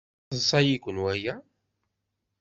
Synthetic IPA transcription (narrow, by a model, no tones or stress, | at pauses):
əsˤæjikʷːənwæjæ